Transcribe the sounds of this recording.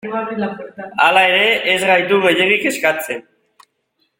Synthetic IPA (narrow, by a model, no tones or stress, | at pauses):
alae̞ɾe̞ʔːzɣajt̪uɣe̞ʎeɾike̞skat͡se̞n